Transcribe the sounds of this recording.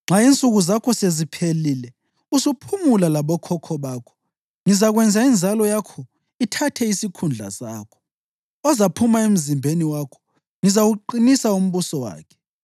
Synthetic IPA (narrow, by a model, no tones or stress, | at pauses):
ŋ͡ǁaint͡sʼuɣuzakʰɔsezipʰelilɛ | usupʰumulalaβɔkʰɔkʰɔβaːkʰɔ̥ | ŋizaɣwɛnd͡zʱaind͡zʱalɔjakʰɔ | itʰatʰɛisikʰund͡ɮʱa̰sa̰ːkʰɔ̥ | ɔzapʰumaem̩zimbʱeniwakʰɔ̥ | ŋizawuǃinisaum̩βusɔwa̰ːkʰɛ̥